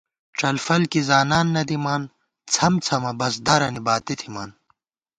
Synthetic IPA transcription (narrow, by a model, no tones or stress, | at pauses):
ʈ͡ʂɐlfɐlkizaːnaːnːɐd̪imaːn | t͡sʰɐmt͡sʰɐmɐbɐzd̪aɾɐnibaːt̪it̪ʰimaːn